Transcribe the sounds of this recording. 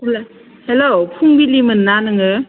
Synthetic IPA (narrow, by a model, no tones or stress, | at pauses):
ula | helopʰuŋbilimɯnːanɯŋɯ